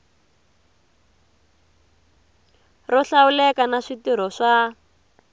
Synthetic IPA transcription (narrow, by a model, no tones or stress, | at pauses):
rɔɬawulɛkanaʂitiɾ̤ɔʂa